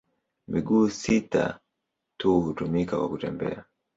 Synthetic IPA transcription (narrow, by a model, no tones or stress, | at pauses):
miɡuːsita̰ | tuhutumikakwakutɛmbɛ̰a